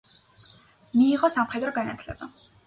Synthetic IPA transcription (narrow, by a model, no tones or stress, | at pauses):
miːʁɔsamχet̪rɡanat̪ʰɮɛ̰ba